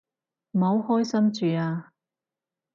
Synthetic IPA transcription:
m̩˨o˨˧whɔː˥jsɐ˥mt͡ʃyː˨aː˧

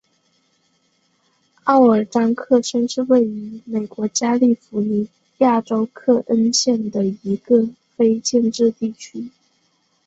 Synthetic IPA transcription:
ɑ˥˩ʊə˞˨˩ʈ͡ʂɑ˥ŋkʰɤ˥˩ʂə˥nʂɻ̩˥˧we˥˩ɪy˧˥me˨˩ɪkwɔ˧˥t͡ɕja˥li˥˩fu˧˥ni˧˥˦ | ja˥˩ʈ͡ʂo˥ʊkʰɤ˥˩ʔə˥nɕjɛ˥˩nd̪ə˩i˧˥ɡə˧ | fe˥ɪt͡ɕjɛ˥˧nʈ͡ʂɻ̩˥˧t̪i˥˩t͡ɕʰy˥

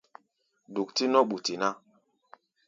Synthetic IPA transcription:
du˨k̚ti˦nɔ˦ɓu˨ti˨na˦

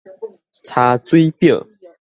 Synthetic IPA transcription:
t͡sʰa˨˦t͡swe˥˦ɪpjɔ˥˨

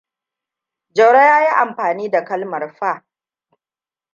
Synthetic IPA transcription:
d͡ʒɐ˨wɽa˦jaː˦ji˦ʔa˨mɸaː˨niː˦da˨kɐ˦lmɐ˨rɸa˦˨ʔ

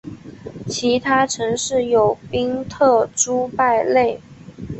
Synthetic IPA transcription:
t͡ɕʰi˧˥t̪ʰa˥ʈ͡ʂʰɤ˧˥ŋʂɻ̩˥˩jo˨˩ʊpi˥ŋt̪ʰɤ˥˩ʈ͡ʂu˥pa˥˧ɪle˥˩ɪ

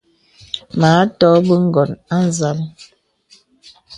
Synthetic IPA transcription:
maː˨˦tɔ˦bə˦ŋ̩˦ɡɔ˨na˦n˨za˦l

